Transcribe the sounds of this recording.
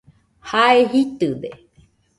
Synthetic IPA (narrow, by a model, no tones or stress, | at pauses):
haeɦit̪ɨd̪e